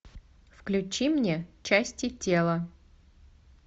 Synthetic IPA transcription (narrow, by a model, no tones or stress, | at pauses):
fklʲʉt͡ɕimnʲet͡ɕæsʲtʲɪtʲe̞lˠə